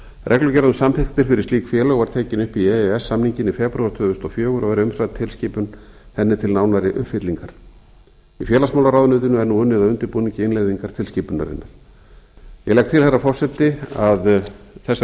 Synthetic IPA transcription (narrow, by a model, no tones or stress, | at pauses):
rʔɛklʏcɛɾðʏmsamfɪkt̪ɪɾ̥fɪɾɪɾ̥st̪iːkfjɛːlœɣvaɾ̥t̪ʰeːcɪnʏhpiɛɛsːamniɲcɪnɪfɛpɾuaɾt̪ʰœːðʏst̪ɔfjœːɣʏɾɔɣɛɾʏmsɾaðt̪ʰːɪlsciːpʏnθɛnːɪt̪ʰɪlnaːwnaɾɪʔʏ̰hpfɪt̪liŋkaɾ̥ | ifjɛːlasmaːwlaɾaːwðʏnʏːt̪ɪnʏɛɾnuʏnːɪðaʏnt̪ɪɾpuniɲcɪɪnlejðiŋkaɾ̥t̪ʰɪlsciːpʏnːa̰ɾɪ̰nːaɾ̥ | jɛɣlɛkt̪ʰɪlθɛrːafɔr̥sɛt̪ɪaðθɛsːa